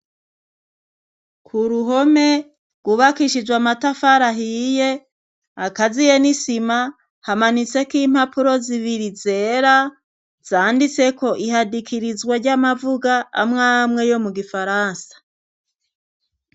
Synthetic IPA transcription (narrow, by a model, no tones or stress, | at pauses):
kʰuɾuɦo̞me̞ | ɡ̥uβakiʃid͡ʒwamatafaɾaɦije̞ | akazijenisima | hamanit͡se̞kiːm̥hapuɾo̞ziβiɾize̞ɾa | z̥aːndit͡se̞ko̞ʔiɦadikʰiɾizɡwaɾɟamavuɡa̰ːmŋaːmŋe̞jo̞muɡifaɾaːnsḁ